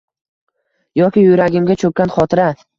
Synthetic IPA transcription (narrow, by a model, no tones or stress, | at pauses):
jɒkʲɪjʊjɾaɡʲɪmɡʲat͡ʃʰɵk̚ʲːanχɒt̪ʰɪɾa